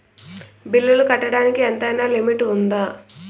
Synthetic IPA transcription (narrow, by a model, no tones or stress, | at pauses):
bilːulukɐʈːɐɽaːnikient̪ɐjnaːlimiʈːund̪aː